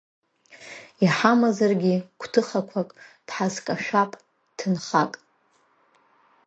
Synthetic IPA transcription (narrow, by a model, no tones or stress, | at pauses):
iħamazarɡʲikʷʰtʰɨχakʷʰakʼd̥ħazkʼaʃʷᶣapʼ | tʰɨnχakʼ